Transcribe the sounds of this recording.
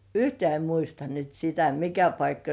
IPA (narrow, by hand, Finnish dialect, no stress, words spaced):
yhtĕæˑ em muistɑ nyt sitæ mikæ pɑikːɑ